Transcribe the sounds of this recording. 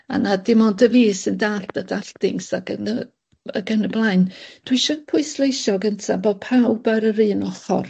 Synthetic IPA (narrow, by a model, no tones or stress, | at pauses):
a̰nadɪmɔndəviːsəndaɬd̥adaɬtɪŋsaɡənə | ə̰ɡənəblˠaɨnd̥wɪʃɔpʰʊɨslˠejʃɔɡəntʰaboːd̚pʰawbaɾəɾɨːnɔχɔ̰r